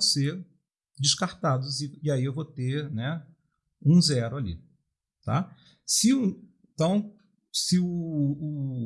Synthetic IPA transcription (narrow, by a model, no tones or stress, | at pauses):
seɾ | d͡ʒɪʃkaɾt̪ad̪ʊziiaiewvot̪eɾnɛ | ũzɛɾʊalḭ | t̪a̰ | sɪʊẽt̪ɐ̃w̃ | sɪʊː